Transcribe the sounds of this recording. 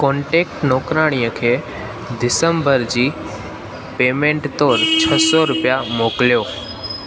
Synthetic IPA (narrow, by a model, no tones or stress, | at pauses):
kɔ̃ːɳʈeːk̚ʈnoːkɾaːɽ̃ijəkʰeː | d̪ɪsəmbəɾd͡ʑiː | peːmẽɳʈt̪oːɾt͡ɕʰəsɔɾʊpijamoːkljoː